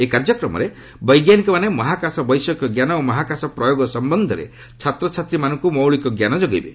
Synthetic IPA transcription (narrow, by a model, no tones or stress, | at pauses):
ekaɾd͡ʒɔkɾɔmɔ̰ɾe | bɔjɡjanikɔmanemɔɦakasɔbɔjsɔkjɔɡjanɔomɔɦakasɔpɾɔjoɡɔsɔmbɔnd̪ʱɔɾḛ | t͡ʃʰat̪ɾɔt͡ʃʰat̪ɾimanɔŋkumɔwɭikɔɡjanɔd͡ʒɔɡejbe